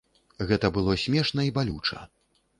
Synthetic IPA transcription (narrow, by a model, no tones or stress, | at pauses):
ɣɛt̪ɐbɨlˠɔsʲmʲɛʂnɐibalʲut͡ʂɐ̰